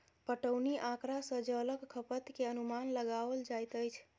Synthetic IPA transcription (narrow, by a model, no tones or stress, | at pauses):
pəʈəwniʔãkɾasə̃d͡ʒələkʰːəpət̪keənumanləɡaʋəld͡ʒajt̪əjt͡ʃʰ